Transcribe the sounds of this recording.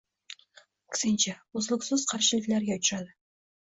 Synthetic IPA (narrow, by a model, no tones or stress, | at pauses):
kʲʰɪ̥sɪnt͡ʃʰaozlˠɪksɪz̥qʰɑɾʃɪlɪkʲlæɾjʲat̪ʰʊɾad̪ɪ